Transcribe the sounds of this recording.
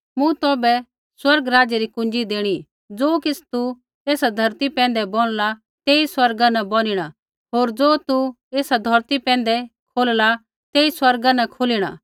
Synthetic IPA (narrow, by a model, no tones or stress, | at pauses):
mũt̪ɔːbɛ | swɐɾɡɾaːd͡ʒeɾikʊ̃nd͡ʒid̪eːɽ̃i | d͡zoːkɪsʰt̪u | eːsad̪ʱɐɾt̪ipɛ̃ːn̆d̪ɛboːɽ̃la | t̪eːiswɐɾɡanɐbɔːniɽ̃a | ɦoːɾd͡zoːt̪u | eːsad̪ʱɔɾt̪ipɛ̃ːn̆d̪ɛkʰoːlla | t̪eːiswɐɾɡanɐkʰoliɽ̃a̰